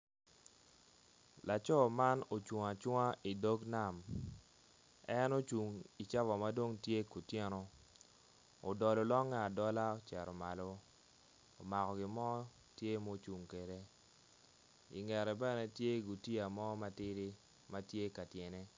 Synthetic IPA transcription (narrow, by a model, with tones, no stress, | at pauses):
la˨t͡ʃɔ˦ma˦no˨t͡ʃu˨ŋa˨t͡ʃwa˦ʔi˨do˦ɡna˦˨m | ɛ˦no˦t͡ʃu˨ŋi˨t͡ʃa˦vɔ˨ma˦do˦ŋtje˦ku˨tjɛ˦nɔ˦ | o˨dɔ˨lo˨lɔ˦ŋːaː˦˨dɔ˦la˦o˦t͡ʃɛ˨ɾɔ˨ma˨lo˦ | o˨ma˨kɔ˨ɡɪ˨mɔ˦ | tje˦mɔ˦t͡ʃu˨ŋke˨de˦ | ḭ˨ŋɛ˨ɾɛ˨bɛ˦nɛ˦tje˦ɡu˨ti˦a˨mɔ˦ma˦tɪ˦ɾi˦ | ma˦tje˦ka˨tje˨ne˦